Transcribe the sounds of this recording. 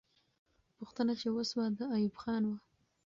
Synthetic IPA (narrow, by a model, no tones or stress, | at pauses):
puxt̪ənat͡ʃewosbad̪əajubxɑnwa